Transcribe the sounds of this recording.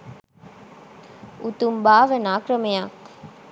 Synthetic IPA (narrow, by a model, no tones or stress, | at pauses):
ut̪umbaːʋənaːkɾɐmejak